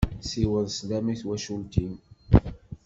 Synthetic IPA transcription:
siwəðslæmiθwæʃult̪im

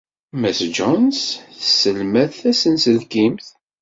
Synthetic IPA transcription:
mæsd͡ʒɔnsθsəlmæθæsənsəlkimθ

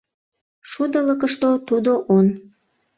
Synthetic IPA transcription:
ʃud̪ələkəʃt̪ot̪ud̪oʔon

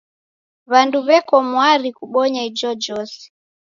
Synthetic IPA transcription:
βanduβɛkɔmwaɾikuɓɔɲaid͡ʒɔd͡ʒɔsɛ̥

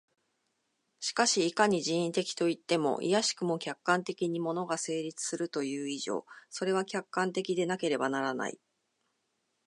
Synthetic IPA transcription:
ɕi̥kaɕiːkaɲ̟iʑĩĩnt̪e̞kʲi̥t̪o̞it̪ːe̞mo̞̰ʔḭjaɕi̥kɯ̟mo̞kʲakːãnt̪e̞kʲiɲ̟imo̞no̞ɡase̞ːɾʲit͡sɨ̥sɨɾɯ̟t̪o̞jɯ̟ːiʑo̞̰ːso̞ɾe̞β̞akʲakːãnt̪e̞kʲid̪e̞nake̞ɾe̞banaɾana̰ḭ

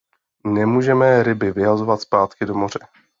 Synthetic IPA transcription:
nɛmuːʒɛmɛɾɪbɪvɪɦazo̞vat̪spaːt̪kɪdo̞mo̞r̝ɛ

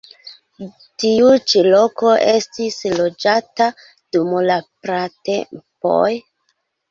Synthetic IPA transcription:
tiut͡ʃilo̞ko̞ʔe̞stislo̞d͡ʒata | d̥umlapɾatḛmpo̞̰j

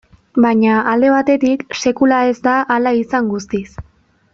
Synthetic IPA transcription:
baɲaald̪e̞β̞at̪e̞t̪ikse̞kulae̞zd̪aʔːlaisaŋɡust̪is

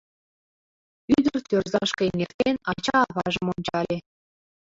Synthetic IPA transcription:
yd̪ərt̪ʲørzɑʃkɤenʲekt̪enɑt͡ɕɑːβɑʒəmonʲt͡ɕɑlʲe

